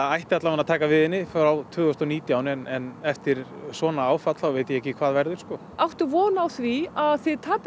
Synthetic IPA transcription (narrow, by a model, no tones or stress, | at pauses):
ajht̪ɪat̪lavanat̪ʰaːkavɪðɪnːɪfɾawt̪ʰvʏːɣʏst̪ɔniːt̪jaːwnɪɛnɛnɛft̪ɪɾ̥svɔːnaaːwfat̪lawveːjt̪ɪjɛɛhcːɪkʰv̥aːðvɛɾðʏɾ̥skɔ | awht̪ʏvɔːnawθviaðθɪðt̪ʰaːp